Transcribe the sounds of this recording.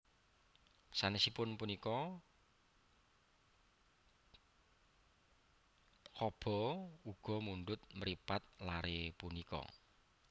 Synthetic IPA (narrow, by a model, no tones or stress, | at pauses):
sanesipʊnpunikɔ | kɔb̥ɔ̤uɡ̥ɔ̤munɖʊt̪̚məɾipat̪̚laɾepunikɔ̰